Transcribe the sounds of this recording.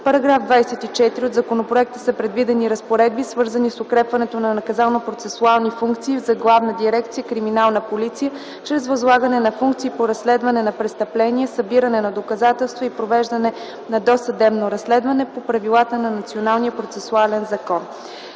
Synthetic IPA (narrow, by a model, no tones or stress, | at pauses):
pɐɾɐɡɾavd̪vajsɛt̪it͡ʃɛt̪iɾiod̪zɐkonopɾoɛk̚t̪əsɐpɾɛd̪vid̪ɛniɾəspoɾɛd̪̚bisvɤɾzənisokɾɛpvɐnɛt̪onɐnɐkɐzalˠnopɾot̪sɛsualˠnifuŋkt̪siːvzɐɡlˠavnəd̪iɾɛk̚t̪sijəkɾiminalˠnəpolit̪sijə | t͡ʃɾɛzvɐzlˠaɡənɛnɐfuŋk̚t̪siːpoɾɐslɛd̪vɐnɛnɐpɾɛst̪ɐplɛniɛsəbiɾənɛnɐd̪okɐzat̪ɛlˠst̪voipɾovɛʒd̪ɐnɛ | nɐd̪ɔsɐd̪ɛbnoɾɐsːlɛd̪vɐnɛpopɾɐvilˠat̪ənɐnɐt̪sionalˠnijəpɾot̪sɛsualɛnzɐkɔn